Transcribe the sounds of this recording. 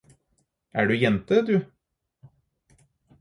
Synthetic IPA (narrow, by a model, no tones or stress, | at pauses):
ʔæːɖʉːjɛnt̪əd̪ʉː